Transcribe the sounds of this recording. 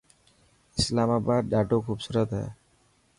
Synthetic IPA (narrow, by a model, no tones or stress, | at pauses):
ɪslamaːbaːd̪̚ɖaːʈokʰuːbsuːɾət̪ɦɛ̰ː